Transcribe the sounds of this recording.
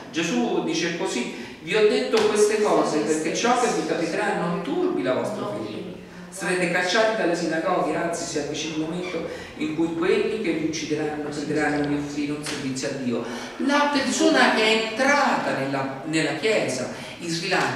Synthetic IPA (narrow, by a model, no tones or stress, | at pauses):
d͡ʒezud̪iːt͡ʃekosi | viɔd̪ːet̪ːokwest̪ekɔːzeperk̟et͡ʃːɔkːevːikapit̪ɾanont̪urbilavɔst̪ɾafḭʎːe | saɾet̪ekat͡ʃːaːt̪id̪alːesinaɡɔːɡeant̪sisɛmpit͡ʃiulmoment̪o | iŋkujkwelːikeviut͡ʃːid̪eɾanːout͡ʃid̪eɾanːomiofɾiːlounservit̪sːjoad̪ːiːo | lapersoːnaʔɛent̪ɾaːt̪anelːa | nelːakjɛːza̰ | izːila